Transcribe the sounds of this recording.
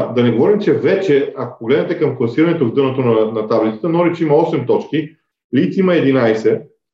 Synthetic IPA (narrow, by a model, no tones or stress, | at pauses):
d̪ɐnɛɡovɔɾimt͡ʃɛvɛt͡ʃɛako̥poɡlɛd̪nɛt̪ɛkɐmklˠɐsiɾɐnɛt̪ovd̪ɤnət̪onɐnɐt̪ablit̪ə̥t̪ənɔɾɛt͡ʃimɐɔsɛmt̪ɔt͡ʃki | lit̪simɐɛd̪inajsɛ